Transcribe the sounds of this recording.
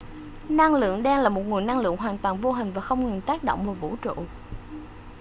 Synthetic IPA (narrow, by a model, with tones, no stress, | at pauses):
na˧ŋlɨ̰˧˨əŋɗaː˧ŋlaː˨˩mo˨˩t̚ŋɨ˨˩əjna˧ŋlɨ̰˧˨əŋɦwaː˨˩nt̪waː˨˩nvo˧ɦï˨˩ŋ̟vaː˨˩xə˧wŋ͡mŋɨ˨˩nt̪aː˦˥k̚ɗo̰˧˨wŋ͡mvuː˨˩vṵ˧˥t͡ɕṵ˧˨